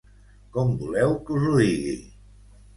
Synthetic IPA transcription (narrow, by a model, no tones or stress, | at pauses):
kɔmbulɛwkuzuiɣḭ